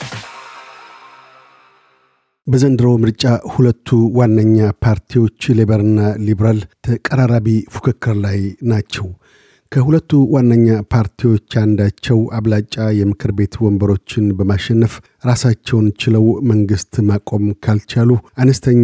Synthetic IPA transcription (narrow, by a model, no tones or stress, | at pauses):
bəzənd̪ɨɾəwmɨɾt͡ʃʼahulət̪ʰːuwanːəɲːapʰaɾt̪ʰiwo̞t͡ʃːleβəɾɨnːaliβɾalt̪ʰəkʼəɾaɾaβifu̥kʰɨkːɨɾlajnat͡ʃːɛw | kʰəhulət̪ːuwanːəɲːapʰaɾt̪ʰiwo̞t͡ʃːand̪at͡ʃːɛwaβlat͡ʃʼːajɛmɨkʰɨɾbe̞t̪wɔmbəɾo̞t͡ʃːɪnbəmaʃɛnːəf | ɾasat͡ʃːɛwnt͡ʃɪləwməŋɡɨst̪makʼo̞mkʰalt͡ʃaluʔanəst̪ʰəɲː